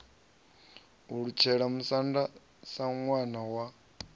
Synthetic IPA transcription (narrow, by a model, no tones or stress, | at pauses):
uɺut͡ʃʰɛɺamusanda | saŋwanawa